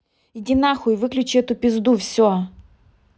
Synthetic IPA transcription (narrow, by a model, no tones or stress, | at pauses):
ɪdʲɪnaxʊivɨklʲʉt͡ɕɪɛt̪ʊpʲɪzd̪ufsʲo